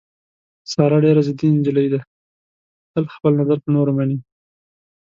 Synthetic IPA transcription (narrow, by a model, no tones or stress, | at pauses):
sɑɾaɖeɾazɪd̪iɪnd͡ʒɪləjd̪a | h̪əlxpəlnazaɾpənoɾomani